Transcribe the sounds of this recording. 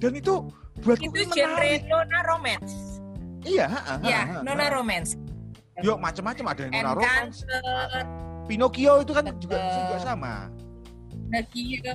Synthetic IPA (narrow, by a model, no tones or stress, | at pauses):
d̥a̤nit̪u | b̥ṳat̪uuəd͡ʒɛanɾenonaɾomɛns | ijaɦaʔaɦjanonaɾomɛns | jɔmat͡ʃəmːat͡ʃəmadanonaɾoaansərpinokioit̪̬ukand͡ʒuɡaʔbisɪnɡuɡaʔsama̰ | nəɡi